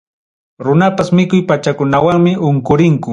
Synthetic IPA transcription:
ɾʊnapasmɪkʊjpat͡ʃakʊnawaŋmɪʔʊŋkʊɾɪŋkʊ

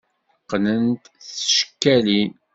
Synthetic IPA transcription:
qːnənt̪θʃə̥kːælin

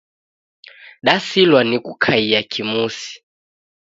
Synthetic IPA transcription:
ɗasilwanikukʰaiakʰimusi̥

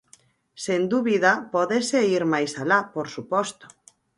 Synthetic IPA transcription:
send̪uβiðapɔðeseiɾmajsalapoɾsupɔst̪o̥

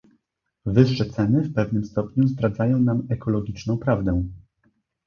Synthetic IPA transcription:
vɘʂːɛt̪sɛnɘfpɛvn̪ɘmst̪ɔpɲuzd̪ɾad̪zajɔ̃w̃namɛkʰɔlɔɡʲit͡ʂnɔ̃w̃pɾavd̪ɛw̃

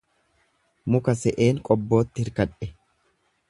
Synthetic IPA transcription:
mʊkɐsɛʔe̞ːŋkʼɔbːo̞ːt̪ːɪhɪɾkɐᶑɛ

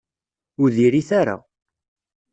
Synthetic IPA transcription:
ʊɾðiɾiθaɾa̰

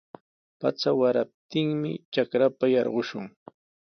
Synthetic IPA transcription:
pa̰t͡sawaɾap̚t̪ɪŋmɪ̰t͡ʃakɾapajɑɾɢʊʃʊŋ

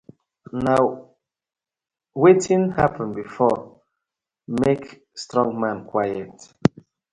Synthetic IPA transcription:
naʊ | wetʰĩnhapʰə̃nbifɔ | mek | stɹɔ̃ŋmãnkʰwajɛt

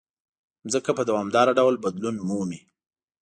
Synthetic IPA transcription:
zəkapəd̪awɑmd̪ɑɾaɖawlbad̪lunmumi

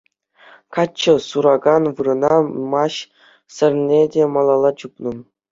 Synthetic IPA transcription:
kɑt͡ɕːɤ̆suɾɑɡɑnʋɯɾɤ̆nɑmɑɕ | sʲɘ̆rʲnʲedʲemɑlˠɑlˠɑt͡ɕupnɤ̆m

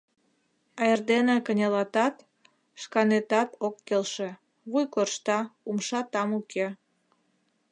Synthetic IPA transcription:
ɑjerd̪enekənʲelɑt̪ɑt̪ | ʃkɑnet̪ɑt̪okːelʃe | βujkorʃt̪ɑumʃɑt̪ɑmukʰe

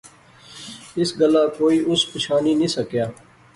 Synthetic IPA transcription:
ɪsɡəlaːkoːiːʔʊspɪʃʰaːniːnĩːsəkjaː

